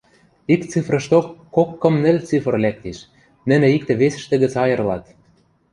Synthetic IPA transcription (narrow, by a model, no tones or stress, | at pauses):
ikt͡sifrɤ̆ʃt̪okːokːɤ̆mnɘ̆lʲt͡sifə̆rlæk̚t̪eʃ | nɘ̆nĕik̚t̪ĕβesɘ̆ʃt̪ɘ̆ɣɘ̆t͡sɑjɤ̆rlɑt̪